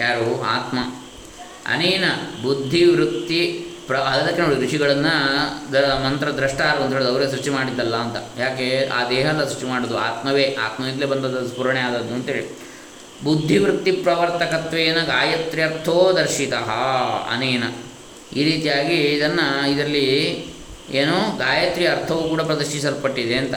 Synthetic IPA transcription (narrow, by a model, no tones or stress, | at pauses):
jaːɾuaːt̪mɐ | ɐ̰nɐjnɐbud̪ʱːiʋɾut̪ːipɾɐɐd̪ɐd̪ɐkːenɐːɽikɾuʂiɡɐɭɐnːɐd̪mɐnt̪ɾɐd̪ɾɐʂʈaːɾunt̪ɐɦeːɭd̪ɐʋɾes̬ɾut͡ʃimaːɽid̪ːɐlːɐːnt̪ɐjaːkea̰ːd̪ɛːɦɐlːɐsɾut͡ʃimaːɽoːd̪ua̰ːt̪mɐʋeːʔaːt̪mɐid̪leːbɐnd̪ɐd̪ɐspuɾɐɳɛaːd̪ɐd̪ːuɐnt̪ɐɦeːɭi | bud̪ʱːiʋɾut̪ːipɾɐʋɐɾt̪ɐkɐt̪ʋeːnɐɡaːjɐt̪ɾiɐɾt̪ʰoːd̪ɐɾʃit̪ɐɦɐɐ̰neːnɐ | iːɾiːt̪ijaːɡiːd̪ɐnːɐid̪ɾɐlːi | eːnoːɡaːjɐt̪ɾijɐɾt̪ʰɐʋukuːɽɐpɾɐd̪ɐɾʂʃisɐɾpɐʈːid̪eɐnt̪ɐ